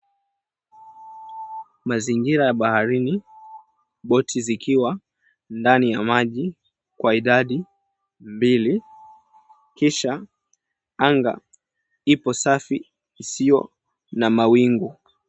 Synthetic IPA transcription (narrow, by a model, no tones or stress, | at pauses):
maziŋɡiɾajaɓahaɾini | ɓɔtʰizikʰiwa | ndanijamaʄi | kwaiɗaɗi | mbili | kiʃa | aŋɡa̰ | ipɔsafiː | sijɔ̰ | namawiŋɡu